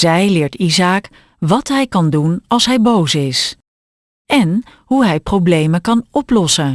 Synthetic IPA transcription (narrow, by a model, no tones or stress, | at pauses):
zɛjlɪːɹtizaːk | ʋɑtɦɛjkɑndunɑlˠsɦɛjbowsɪs | ɛn | ɦuɦɛjprowblejməkɑnɔplɔsə